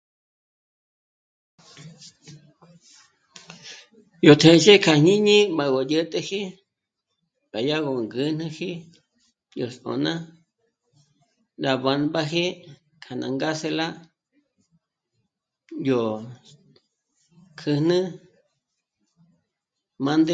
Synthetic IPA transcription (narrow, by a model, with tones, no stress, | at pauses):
jo˨t̪ʰẽ˧˨ʃe˦kʰa˨ɲĩ˦ɲĩ˦ma˨ɣo˨jə˦t̪ʼe˧hi˦ | ɓa˨ja˦ɣo˨ŋɡɨ˧˦n̥ɨ̃˦hi˦ | jo˨so̰˨nã˦ | ɾa˨βa˨˧nba˦ɦe˦ | kʰa˨nã̰˨ŋɡa˦se˧la˦ | jo˨ | kʰɨ˧nɨ̃˦ | mã˦nd̪e˦